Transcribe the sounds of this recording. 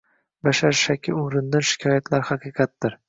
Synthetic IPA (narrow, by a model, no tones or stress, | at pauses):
baʃaɾʃakʲʰːɪʊɾɪnd̪anʃɪ̥kʰʲɒjat̪ʰlaɾhaqʰɨqʰɑt̪̚d̪ɪɾ